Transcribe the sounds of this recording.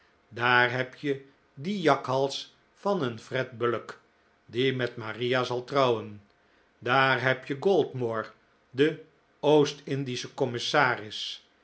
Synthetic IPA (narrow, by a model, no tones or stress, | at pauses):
daːɹɦɛpjə | dijɑkɦɑlˠs | fɑnənfrɛd̚bələk | dimɛtmaːriazɑlˠtrʌwən | daːɹɦɛpjəɡolˠdmoːɹ | də | owstɪndisəkɔmɪsaːrɪs